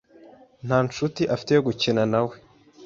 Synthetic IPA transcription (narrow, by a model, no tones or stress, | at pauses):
n̥haːnt͡ʃutiʔafi̥te̞jo̞ɡucenanawe̞